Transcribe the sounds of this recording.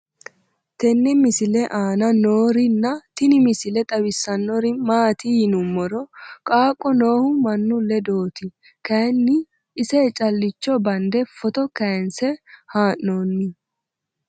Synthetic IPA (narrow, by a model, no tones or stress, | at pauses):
t̪ɛnːɛmɪsɪlɛʔaːnɐnoːɾɪnːɐt̪ɪnɪmɪsɪlɛt̪ʼɐbɪsːɐnːɔɾɪmaːt̪ijɪnʊmːɔɾɔkʼaːkʼːɔno̞ːhʊmɐnːʊlːɛd̪o̞ːt̪ɪ | kɐjɛnːɪː | sɛːt͡ʃʼɐlːɪt͡ʃːɔbɐnd̪ɛfɔt̪ɔkɐjnsɛhaːʔnoːnːɪ